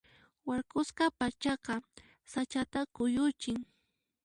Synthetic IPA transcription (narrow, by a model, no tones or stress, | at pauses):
waɾkʊsqɑpat͡ʃɑqɑ | sat͡ʃat̪akʊjʊt͡ʃɪŋ